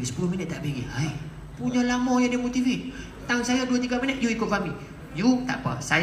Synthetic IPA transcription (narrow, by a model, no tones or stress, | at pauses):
sə̥puluhminət̪̚ːaʔbeɡḭa | puɲalamɔ̃jademot̪ifit̪̚ | t̪auŋsajaduat̪iɡaminət̪̚juikʊt̪̚fami | jut̪a̰ʔpa̰saj